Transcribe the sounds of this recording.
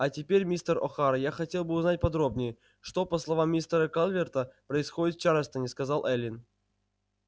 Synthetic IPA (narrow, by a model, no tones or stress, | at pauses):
atʲɪpʲeɾʲmʲist̪əro̰xaɾəjaxɐtʲelˠbɨʊznat̚ʲpɐd̪ɾobnʲɪjə | ʂt̪opəslˠɐvamːʲist̪əɾəkalʲˠvʲert̪əpɾəɪsxodʲɪt̪ft͡ɕaɾəst̪ənʲɪskɐzɑlˠʔɛlʲɪn